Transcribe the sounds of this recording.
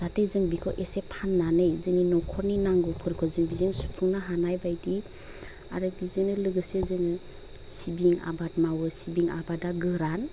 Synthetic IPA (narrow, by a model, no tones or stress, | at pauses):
zatezɯŋbikʰɔʔesepʰanːanɯjzɯŋninɔwkʰɔɾninaŋɡupʰɯɾkʰɔzɯŋbizɯŋsu̥pʰuŋnaɦanajbajdi | a̰ɾɯbizɯŋnɯlɯɡɯsezɯŋɯ | sibiŋa̰bat̚mawɯsibiŋa̰badaɡɯɾan